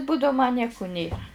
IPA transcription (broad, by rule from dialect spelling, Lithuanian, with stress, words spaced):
ˈbuːdɐʊ mɐ ˈnʲiɛkʊ ˈnʲeːrɐ